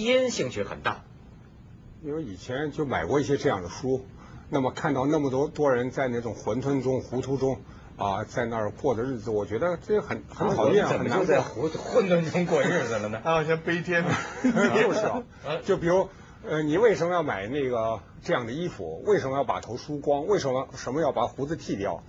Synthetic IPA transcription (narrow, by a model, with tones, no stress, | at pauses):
i˥nɕi˥˧ŋt͡ɕʰy˥˩xə̰˨˩nt̪a̰˥˩ | i˥nwe˥˧ɪi˨˩t͡ɕʰjɛ˧˥nt͡ɕjo˥˩ʊma˨˩ɪkwɔ˥˧i˥˩ɕjɛ˥ʈ͡ʂɤ˥˧jɑ˥˩ŋd̪ə˩ʂu˥ | na˥˩mə˩kʰa˥˧nt̪ɑ˥˧ʊna˥˩mə˩t̪wɔ˥t̪wɔ˥ɻə˧˥nt͡sa˥˧ɪna˥˩ʈ͡ʂʊ˨˩ŋxwə˧˥nt̪ʰwə˥nʈ͡ʂʊ˥ŋxu˧˥t̪ʰu˥ʈ͡ʂʊ˥ŋ | ə˧t͡sa˥˧ɪna˥˩˧kwɔ˥˩d̪ə˩˧ɻ̩˥˩d͡zɹ̩˩wɔ˨˩t͡ɕɥɛ˧˥d̪ə˧ʈ͡ʂɡxə˨˩nxə˧˥nt̪ʰɑ˨˩ʊjɛ˥˩˧xə˨˩na˧˥˧u˧˥˧xwə˥˧nt̪ʰwə˥nʈ͡ʂʊ˥ŋkwɔ˥˧ɻ̩˥˩d͡z̩˨˩lə˩nə˩˥˨ɕjɑ˥ŋpe˥ɪt̪ʰjɛ˥n | o˥˧ʊʂɻ̩˥˩ɐ˩ | t͡ɕjo˥˩ʊpi˨˩ɻu˧˥ | ə˧ni˨˩we˥˩ɪʂə˧˥nmə˧jɑ˥˩ʊma˨˩ɪna˥˩ɡə˩ | ʈ͡ʂɤ˥˧jɑ˥˩ŋd̪ə˩i˥fṵ˨˩˦we˥˩ɪʂə˧˥nmə˧jɑ˥˩ʊpa̰˨˩t̪ʰo˧˥ʊʂu˥kwɑ˥ŋwe˥˩ɪʂ̬ə˧˥nmə˧ʂə˧˥nmə˧jɑ˥˩ʊpa˨˧˩xu˧˥d͡zɹ̩˧t̪ʰi˥˧˩t̪jɑ˥˩ʊ